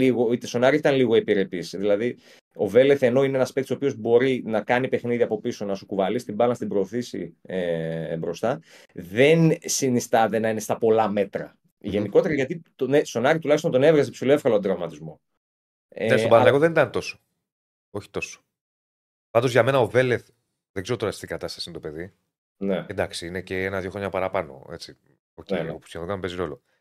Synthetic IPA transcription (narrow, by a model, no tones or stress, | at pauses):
iɣoit̪eso̞nɐɾiit̪ɐnliɣoepiɾe̞pisðilɐði | o̞̰ve̞leθe̞no̞ineenɐspek̚t̪isopio̞zbo̞ɾinɐkɐnipe̞xniðiɐpo̞piso̞nɐsukuvɐlist̪ibɐlnɐst̪ibɾo̞ːθisḭebɾo̞st̪ɐ | ðe̞nsinist̪ɐðenɐine̞st̪ɐpo̞lɐme̞t̪ɾɐ̰ | ʝe̞niko̞t̪e̞ɾɐʝɐt̪it̪onest̪o̞nɐɾit̪ulɐçist̪ont̪o̞nevɾɐzepsiloefkɐloɐnd̪ɾɐvmɐt̪izmo̞ | enesbansɐɣoðenit̪ɐnt̪o̞so̥ | oçi̥t̪o̞so̥ | pɐnd̪o̞zʝɐme̞nɐo̞veleθ | ðeɡzeɾot̪oɐst̪iɡɐt̪ɐst̪ɐsint̪ope̞ði | need̪ɐksiineceenɐðʝo̞xɾoɲɐpɐɾɐpɐno̞̰e̞t͡si | oceopu̥sçeðoɡkɐmpeziɾo̞lo̞